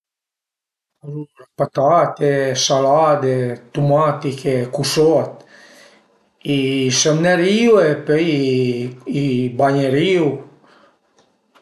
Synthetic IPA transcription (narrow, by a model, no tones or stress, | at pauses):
aɾulapat̪at̪ɛsalad̪et̪umat̪ikekusɔt̪ | isamnɛɾiwɛpej | ibaɲeɾiw